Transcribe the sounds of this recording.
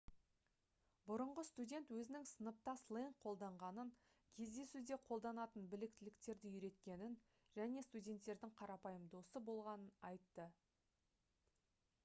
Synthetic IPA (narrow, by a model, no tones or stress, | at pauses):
bʊɾəɴʁəst̪udʲe̞nt̪wɵzɪnɪŋsənəp̚t̪ɑslˠeŋqʰo̞lˠd̪ɑɴʁɑnəŋ | kʲʰe̞zd̪e̞sud̪e̞qʰo̞lˠd̪ɑnɑt̪ənbɪlɪk̚t̪ɪlɪkt̪e̞ɾd̪ɪʏɾe̞t̪kʲe̞nɪn | ʒæne̞st̪udʲe̞nt̪ːe̞ɾd̪ɪŋqʰɑɾɑpɑjəmd̪osəbo̞lˠʁɑnənɑjt̪ːə